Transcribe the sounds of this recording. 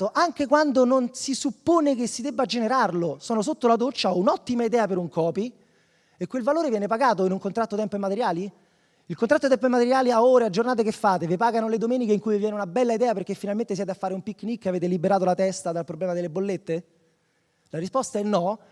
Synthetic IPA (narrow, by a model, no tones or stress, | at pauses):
oʔaŋk̟ekwand̪ononsisupːoːnekesːid̪ebːad͡ʒeneɾarlosɔːnos̬ot̪ːolad̪ot͡ʃːaɔunɔt̪ːimaid̪ɛːapeɾuŋkɔːpi | ekːwelvaloːɾevjɛːnepaɡaːt̪oinuŋkont̪ɾat̪ːot̪ɛmpoemat̪eɾjaːli | ilkont̪ɾat̪ːot̪ɛmp̬oemat̪eɾjaːliaɔːɾead͡ʒːornaːt̪̬ekefːaːt̪evepaːɡanoled̪omɛːnikeiŋkujvjɛːneunabɛlːaid̪ɛːaperk̟efːinalment̪es̬jɛːt̪eafːaːɾeumpikːnikːaveːt̪̬elibeɾaːt̪olat̪ɛst̪ad̪alpɾoblɛːmad̪elːebolːet̪ːe | laɾispɔst̪aɛnːɔ